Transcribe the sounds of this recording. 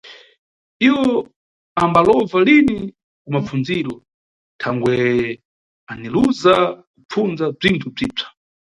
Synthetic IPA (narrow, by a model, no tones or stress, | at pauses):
iwɔ | ambalɔvalini | kumafunziːɾɔ | tʰaŋɡwɛ | aniluzakup͡fund͡zab͡ʐintʰub͡ʐiːb͡ʐḁ